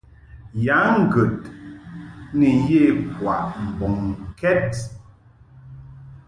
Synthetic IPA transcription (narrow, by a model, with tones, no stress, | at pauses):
ja˨˦ŋ̩˦˨ɡə˨t | ni˨je˦˨kwa̰˨ʔm̩˨bɔ˨ŋkɛ˦t̚